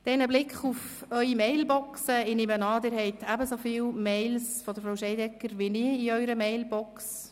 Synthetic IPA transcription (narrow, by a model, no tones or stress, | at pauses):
d̥ɛnəblɪkχufœʏimɛɪlbɔksəɪnɪmənɑːdɪːɾhɛɪtʰæbəsofiːwmeɪlsfɔd̥̪əɾfɾoʊʃɛɪdɛkːəɾʋinɪːiœʏɾəmɛɪlbɔks